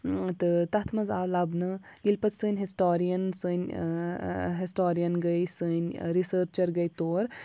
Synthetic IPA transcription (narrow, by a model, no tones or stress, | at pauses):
t̪ɨt̪ɐt̪ʰmɐzalɐbnɨ | ilpɐt̪sɨːnʲɦisʈoːɾijɐnsɨnʲ | ɦisʈoːɾijɐnɡɐjsɨnʲɾisəːɾt͡ʃɐɾɡɐjt̪oːɾ